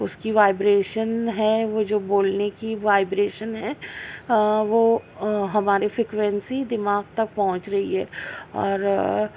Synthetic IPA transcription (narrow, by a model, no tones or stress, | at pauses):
ʊskiʋaːɪbɾeːʃənɦɛʋod͡ʒoːboːlnekiʋaːɪbɾeːʃənɦɛ | ʋoːɦɐmaːɾefɾɪkʋɛ̃nsid̪ɪmaːɡt̪ɐk̚pɐɦʊ̃t͡ʃɾɐɦiɦɛ̰ːɔːɾ